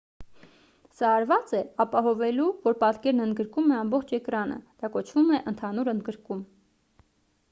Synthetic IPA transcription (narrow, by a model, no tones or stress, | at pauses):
sɑːɾvɑt͡sɛɑpɑɦɔvɛluvɔɾpɑt̪kɛɾnənd̪ɡəɾkumɛɑmbɔχt͡ʃʰɛkɾɑnə̰d̪̥ɑkɔt͡ʃʰvumɛʔənt̪ʰɑnuɾənd̪ɡəɾkum